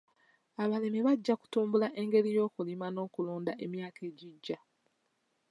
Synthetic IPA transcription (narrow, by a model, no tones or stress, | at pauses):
aβale̞miβaɟːaku̥tuːmbulaʔe̞ŋɡe̞lijo̞ːkulimano̞ːkuluːndaʔe̞mjaːke̞ːɟiɟːa